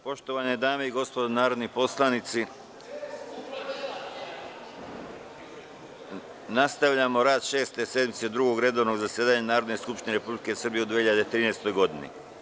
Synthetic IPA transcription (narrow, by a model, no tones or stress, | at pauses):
po̞ʃt̪oʋaned̪aːmeiɡo̞spod̪onaːɾod̪nipo̞slˠanit̪si | nast̪aʋʎamo̞ɾaːd̪ʃe̞ːst̪e̞se̞d̪mit̪se̞d̪ɾuɡo̞ɡɾe̞d̪o̞ʋno̞ɡzasjeːd̪aɲanaːɾo̞d̪neskupʃt̪ineɾepublike̞sr̩bijeud̪ʋiehiʎad̪et̪ɾiːneːst̪o̞jɡo̞d̪inḭ